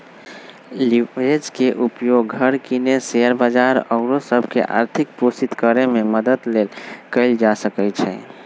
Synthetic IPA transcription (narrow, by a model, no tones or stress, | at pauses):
lied͡ʒkeʔupjoɡʱəɾkineseəɾbad͡ʒaɾɔʊɾosəbʱkḛʔa̰ɾt̪ʰik̚posit̪kəɾememəd̪əd̪lelkəɪld͡ʒasəkɛt͡ʃʰɛ̰